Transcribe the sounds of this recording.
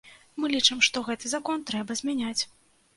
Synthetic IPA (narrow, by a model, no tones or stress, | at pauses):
mɨlʲit͡ʂɨmʂt̪ɔɣɛt̪ɨzakɔnt̪ɾɛbɐzʲmʲanʲat͡sʲ